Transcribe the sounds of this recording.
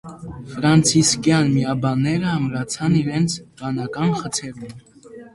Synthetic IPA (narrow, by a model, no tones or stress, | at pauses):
fɾɑnt͡sʰiskjɑnmiɑbɑnːɛɾəɑmɾɑt͡sʰɑniɾɛnt͡sʰbɑnɑkɑnχət͡sʰɛɾum